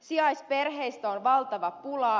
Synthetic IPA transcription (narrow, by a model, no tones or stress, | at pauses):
siɑjspe̞rɦe̞jst̪æonʋɑlt̪ɑʋɑpulɑ